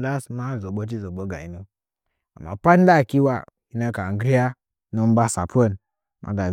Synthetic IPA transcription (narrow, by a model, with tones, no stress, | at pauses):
da˦sma˦˨zo˨ɓo˦t̬i˦zo˨ɓo˨˦ɡa̰˨i˨no˦ | a̰˨ma̰˨pa˦n˦da˦˨ki˦wa˦˨ | i˦na˦ka˨a˨ɡɾi˦ja˦ | no˦m̩˦ba˦sa̰˨po˦˨n˨ | mʔa̰˨ɡa˨